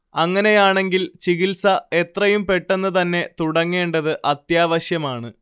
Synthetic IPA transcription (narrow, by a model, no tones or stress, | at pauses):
ɐŋːɐne̞jaːɳe̞ŋɡilt͡ɕiɣilsɐe̞t̪rɐjumpe̞ʈːenːɨt̪ɐnːe̞t̪uɽɐŋːe̞ːɳɖɐðɨʔɐt̪jaːʋɐɕjɐmaːɳɨ